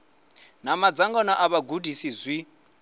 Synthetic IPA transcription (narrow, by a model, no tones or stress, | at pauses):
namad͡zaŋɡɔnɔʔaβaɡudisizʷwi